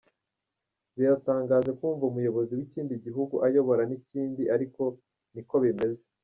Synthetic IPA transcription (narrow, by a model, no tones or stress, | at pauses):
βijataːŋɡaːʒekuːɱvaumujo̞βo̞ziwiciːndiɟiɦuɡuʔajo̞βo̞ɾaniciːndiʔaɾiko̞ | niko̞βime̞ze